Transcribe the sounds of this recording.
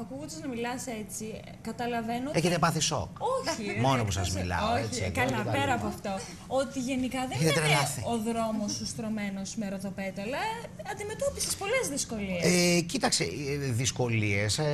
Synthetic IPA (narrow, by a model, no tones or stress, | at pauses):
ɐkuɣond̪ɐznɐmilɐse̞t͡si | kɐt̪ɐlɐve̞noeçet̪epɐθiso̰koçimo̞nopusɐzmḭlɐ̰ooeikɐlinɐpeɾɐːpoɐft̪o̞ | ot̪iʝe̞nikɐðeçet̪et̪ɾelɐθioðɾo̞mo̞sust̪ɾo̞me̞no̞smeɾoðope̞t̪ɐlɐɐnd̪ime̞t̪o̞pisespo̞le̞zðisko̞lieecit̪ɐksḛðisko̞lie̞s